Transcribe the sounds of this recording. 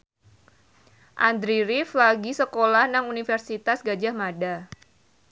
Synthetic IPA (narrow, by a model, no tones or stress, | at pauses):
ʔand̪ɾiɾiflaɡisəkolahnaŋunifərsit̪asɡad͡ʒahmada